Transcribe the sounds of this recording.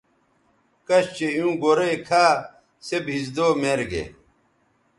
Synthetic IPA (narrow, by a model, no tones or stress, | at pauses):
kɐɕt͡ɕejũːɡoɾejkʰaː | sebɦizd̪oːmeɾɡḛ